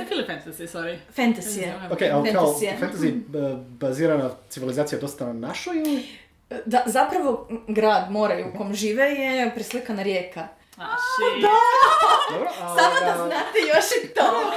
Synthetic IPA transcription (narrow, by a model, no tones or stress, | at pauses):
kilfɛnt̪azisaɾifent̪azijjefokejalenat̪azijefant̪azibaziːɾanasiʋilizat̪sijad̪o̞st̪ananaʃoj | d̪azapɾaʋo̞ɡɾaːd̪mo̞ːɾajuukomʒiːʋejepɾislikanaɾjeːka | ad̪a | d̪obɾosamoaznat̪ejoʃit̪o